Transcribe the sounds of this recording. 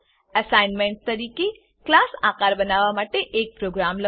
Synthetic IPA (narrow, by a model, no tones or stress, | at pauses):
ɐsaːɪnmẽɳʈ̚t̪ɐɾiːke | klaːsaːkaːɾbɐnaːʋamaːʈeʔeːk̚pɾoːɡɾaːmlɐ